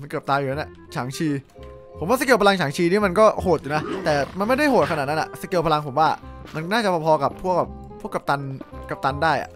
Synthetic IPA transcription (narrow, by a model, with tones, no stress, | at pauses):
ma˧nkɤː˨˩t̪aː˧juː˨˩na˦˥na˨˩ | t͡ɕʰaː˩˦ŋt͡ɕʰiː˧ | pʰo˩˦wa˥˩sa˧ke˧wpa˧la˧ŋt͡ɕʰaː˩˦ŋt͡ɕʰiː˧niː˦˥˩ma˧nkɔː˥˩hoː˨˩t̪̚juː˨˩na˦˥t̪ɛː˨˩ma˧nma˥˩jda˥˩jhoː˨˩t̪̚kʰaː˨˩t̪̚na˦˥ʔa̰˨˩sa˧ke˧əpʰa˧la˧ŋpʰo˩˦mwaː˥˩ma˧nnaː˥˩t͡ɕa˨˩pʰɔː˧pʰɔː˧ka˨˩pʰːu˥˩əka˨˩p̚ | pʰːu˥˩əka˨˩t̪a˧nka˨˩p̚t̪a˧ndaː˥˩jʔa̰˩